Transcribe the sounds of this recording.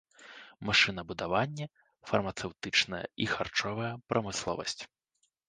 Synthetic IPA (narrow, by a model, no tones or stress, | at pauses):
maʂɨnɐbud̪avanʲːɐ | fɐrmɐt̪sɛwt̪ɨt͡ʂnɐjɐ̰ixart͡ʂɔvɐjɐpɾʔɐmɨslˠɔ̰vɐ̰sʲt͡sʲ